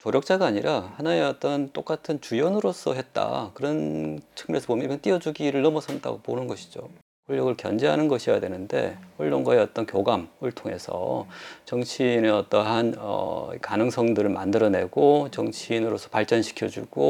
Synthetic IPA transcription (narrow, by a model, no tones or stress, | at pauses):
t͡ɕoɾjʌk̚t͡ɕ͈aɡaːɲiɾʔahanae̞ʌt͈ʌnt͈ok͈atʰɯnt͡ɕujʌnɯɾos͈ʰʌɦet̚t͈a̰kɯɾʌnt͡ɕʰɯ̥ŋmuɾesʰʌbomjʌnibʌnt͈iʌd͡ʑuɡiɾɯɭnʌmʌsʰʌnda̰ɡoponɯnɡʌɕʰi̥d͡ʑo̰ | kuɭːʌɡɯɭkjʌ̰nd͡ʑe̞ɦanɯnɡʌɕʰija̰dwe̞nɯnde̞̰ʌɭːonɡaeʌt͈ʌnkjoɡamɯɭtʰoŋe̞̰sʰʌ̰t͡ɕʌŋt͡ɕʰineʌt͈ʌɦanʌ̰ḭkanɯŋsʰʌŋdɯɾɯɭma̰ndɯɾʌne̞̰ɡot͡ɕʌŋt͡ɕʰinɯɾosʰʌ̥paɭt͡ɕ͈ʌnɕʰi̥kʰjʌd͡ʑuɡ̥o